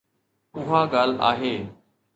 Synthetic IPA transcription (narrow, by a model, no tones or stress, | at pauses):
ʊɦãːɡaːla̰ːɦeː